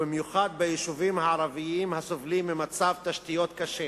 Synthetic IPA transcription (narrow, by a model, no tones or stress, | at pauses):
bimjuχad̪̚bejiʃuvimhaʕaʁaviimhasovlimːemat͡savt̪aʃt̪ijo̞t̪kaʃe